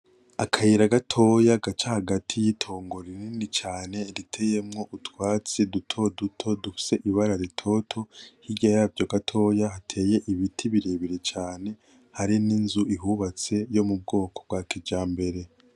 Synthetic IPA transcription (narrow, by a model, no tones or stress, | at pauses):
akʰajiɾaɡatʰo̞jaɡat͡ʃahaɡatʰijitʰo̞ːŋɡo̞ɾininit͡ʃaːne̞ɾitʰe̞je̞mŋo̞ʔutwaːt͡sidutʰo̞dutʰo̞dufi̥seʔiβaɾaɾitʰo̞tʰo̞hiɟajavjoɡatʰo̞jahatʰe̞ːje̞ʔiβitʰiβiɾeβiɾet͡ʃaːne̞ | haɾininzuʔiɦuβat͡se̞jo̞mub̚ɡo̞ːko̞b̚ɡaːkid͡ʒaːmbe̞ɾe̞